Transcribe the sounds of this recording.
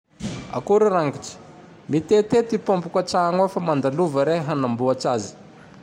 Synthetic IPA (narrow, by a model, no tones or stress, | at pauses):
a̰kuɾaɾaŋɡiʈ͡ʂə̥ | mit̪et̪et̪ipompukaʈ͡ʂaŋafamand̪aluvəɾeɦanambuaʈ͡ʂazi̥